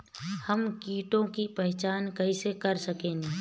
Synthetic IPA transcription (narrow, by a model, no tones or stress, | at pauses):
hɐmkiːʈõkipɛɦt͡ʃaːnkɐisekɐɾsɐkẽːɡi